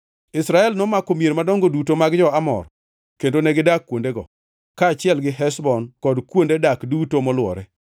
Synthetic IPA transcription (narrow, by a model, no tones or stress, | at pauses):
ɪsɾaɛlnɔmakomieɾmadɔŋɡodutomaɡd͡ʒɔamɔ̰r | kendonɛɡɪdakːwondeɡɔ̰ | kaːt͡ʃɪɛlɡɪɦɛsbɔnkɔdkwondedakdutomɔlwɔ̰ɾɛ